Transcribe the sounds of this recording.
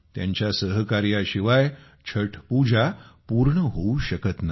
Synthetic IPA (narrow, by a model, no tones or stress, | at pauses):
t̪ja̰ɲt͡ɕjasəɦkaɾjaɕiʋaj | t͡ɕʰəʈʰpud͡ʑʱapuɾɳəɦouɕəkət̪na